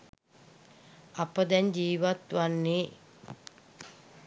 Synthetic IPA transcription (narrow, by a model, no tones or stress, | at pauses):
apəd̪ɛɲd͡ʒiːʋat̪ʋanːeː